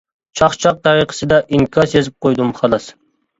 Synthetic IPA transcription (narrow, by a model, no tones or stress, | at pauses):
t͡ʃʰɑχt͡ʃʰɑq̚t̪ʰɑɾiqʰə̥sɨd̪ɛʔiŋkʰɑsjezɪp̚qʰojd̪umχɑlˠɑs